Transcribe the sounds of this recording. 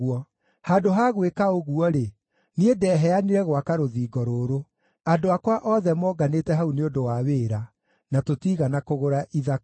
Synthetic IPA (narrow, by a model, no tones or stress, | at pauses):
ɔ | haːdoɦaɣwekaoɣuɔɾe | niedɛɦɛaniɾɛɣwakaɾoðiːɡɔɾoːɾo | adoakwaʔɔðɛmɔɡaneːtɛɦauneondowaweːɾa | natotiɣanakoɣoɾaʔiða